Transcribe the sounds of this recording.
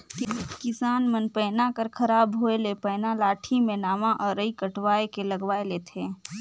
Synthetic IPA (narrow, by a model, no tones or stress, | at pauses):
kɪsaːnmənpɛːnakəɾkʰɐɾaːbɦoelepɛːnalaːʈʰimẽnaːmãʔɔːɾəikəʈʋaːekelɐɡʋaːeleːt̪ʰeː